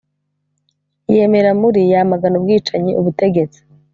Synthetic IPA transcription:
je̞me̞ɾamuɾijamaɡanubɡiːt͡ʃaɲiʔuβute̞ɡe̞t͡si̥

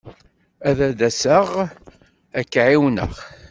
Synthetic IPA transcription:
æðæd̪æsəʁ | ækːʕiwnə̰ʁ

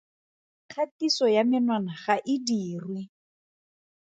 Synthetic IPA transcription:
kʰatisɔjamɪnwanaχaʔɪdiːrwɪ

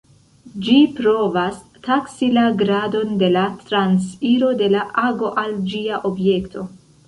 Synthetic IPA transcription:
d͡ʒipɾo̞vas | taksilaɡɾado̞nde̞latɾansiɾo̞de̞laʔaɡo̞ʔald͡ʒiaʔo̞bje̞ktʰo̞

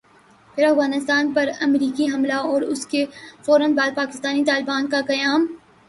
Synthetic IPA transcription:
pʰɪɾɐfɣaːnɪst̪aːnpɐɾɐmɾiːkiɦɐmlaɔːɾʊskefɔːɾə̃nbaːd̪̚paːkɪst̪aːnit̪aːlɪbaːnkakɐjaːm

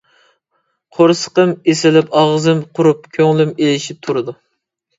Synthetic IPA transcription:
qʰoɾsə̥qəmesɪlɪpɑʁzɨmqʰʊɾup̚kʲʰøŋlymelɪʃip̚t̪ʰuɾɨd̪u

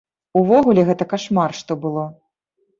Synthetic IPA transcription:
uvɔɣulʲɛɣɛt̪ɐkaʂmarʂt̪ɔbɨlˠɔ

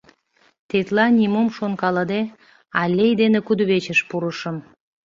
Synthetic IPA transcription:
t̪et̪lɑnʲimumʃonkɑləd̪e | ɑlʲːejd̪enĕkud̪uβet͡ɕə̆ʃpuɾəʃəm

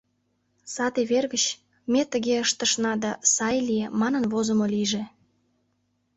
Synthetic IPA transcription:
sɑt̪eβerɣət͡ɕ | met̪əɣeəʃt̪əʃnɑd̪ɑsɑjlijemɑnənβozəmoliʒe

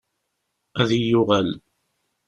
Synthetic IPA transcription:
æðijʊʁæl

